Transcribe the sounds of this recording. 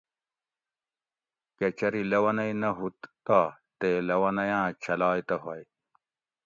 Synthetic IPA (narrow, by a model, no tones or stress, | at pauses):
ket͡ɕʰɐɾilɐwɐnɐjnɐɦut̪taː | t̪elɐwɐnɐjãːt͡ɕʰɐlaːjt̪ɐɦɐj